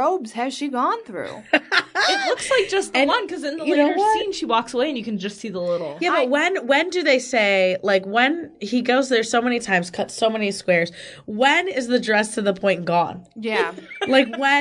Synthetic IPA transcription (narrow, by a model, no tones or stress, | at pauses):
oʊbz̥ɨz̥ʃiɡɔ̃nθɹʉ̰ | ɪtˡlʊkslaɪk̚d̥ʒ̥ʌst̚ɨ̃nwʌ̃nkʰʌzɨ̃nðəɨo˞ʌĩnʃiwɔksəweɪɨ̃njɨkɨ̃n̩d͡ʒʌstsiðəlɪɾl̩ˠjæbʌt̚wɨ̃nwɨ̃ndɨðeɪseɪlaɪkwɨ̃niɡoʊzðə˞soʊmɛnitʰãɪ̃mz̥kʰʌtsoʊmɛniskwɛɹz̥wɨ̃nɪzðɨdɹɛstʰɨðəpʰɔ̃ɪ̃nɡ̥ɔ̰̃njælaɪkwɨ̃